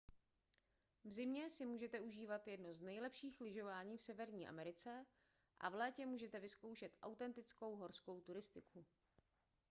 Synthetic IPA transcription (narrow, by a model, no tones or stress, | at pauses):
vzɪmɲɛsɪmuːʒɛt̪ɛuʒiːvat̪jɛdnoznɛjlɛpʃiːxlɪʒo̞vaːɲiːfsɛvɛɾɲiːʔa̰mɛɾɪt͡sɛ | ʔa̰vlɛːcɛmuːʒɛt̪ɛvɪsko̞wʃɛt̪ʔawt̪ɛnt̪ɪt͡sko̞wɦo̞ɾsko̞wt̪uɾɪst̪ɪkʰu